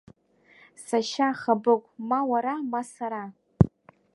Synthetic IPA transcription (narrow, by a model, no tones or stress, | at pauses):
saʃaχabɨkʷʼmawaɾamasaɾa